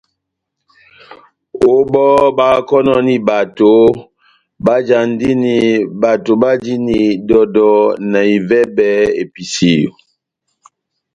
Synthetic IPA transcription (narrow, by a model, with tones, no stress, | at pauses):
o˦ɓɔ˦ba˦kɔ˦nɔ˦ni˨ba˨to˨˦ | ɓa˦d͡ʒa˨n˦di˦ni˨ba˨to˨ɓa˦d͡ʒi˦ni˨dɔ˨dɔ˨na˨i˨vɛ˦bɛ˦ḛ˨pi˨si˨jo̰˨